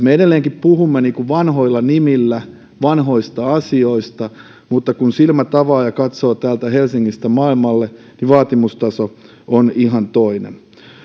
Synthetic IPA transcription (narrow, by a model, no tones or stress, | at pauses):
meedelːeːŋkippuhumːeniːkuʋʋɑnɦo̞ilːɑnimilːæ | ʋɑnɦo̞ist̪ɑɑsioist̪ɑ | mut̪ːɑkunsilmæt̪ɑʋɑːjɑkɑt̪soːt̪æːlt̪æhelsiŋːist̪æmɑːilmɑlːe | niʋɑːt̪imust̪ɑso | ʔoniɦɑnt̪oinḛm